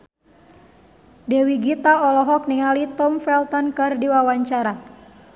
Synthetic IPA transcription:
dɛwiɡit̪aɔlɔɦɔk̚niŋalit̪ɔmfɛlt̪ɔnkɨrdiwawaɲt͡ʃaɾa

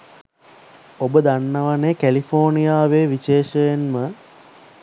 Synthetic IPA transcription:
obəd̪anːəʋanekælifʰoːnijaːʋeːʋiʃeːʃəjenmə

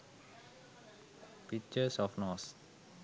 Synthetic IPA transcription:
pik̚t͡ʃəsɔfnɔs

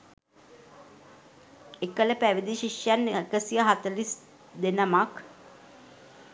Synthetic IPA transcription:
ekələpæʋid̪iʃiʂjanːkəsijəɦat̪əlis | d̪enəmak

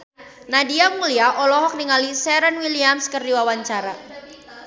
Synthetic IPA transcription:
nadiamuliaʔɔlɔɦɔk̚niŋalisɛɾənwiliamskərdiwawaɲt͡ʃaɾa

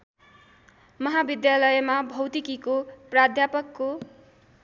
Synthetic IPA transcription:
mʌɦabid̪jalʌjemabʱʌwt̪ikikoprad̪ʱjapʌkːo

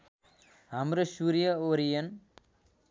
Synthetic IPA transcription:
amɾɐʃuɾijɐoɾijɐn

